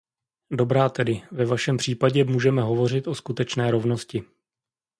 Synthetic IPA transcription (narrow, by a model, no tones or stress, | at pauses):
do̞bɾaːt̪ɛdɪvɛvaʃɛmpr̝̥iːpaɟɛmuːʒɛmɛɦo̞vo̞r̝ɪt̪ʔo̞skut̪ɛt͡ʃnɛːɾo̞vno̞scɪ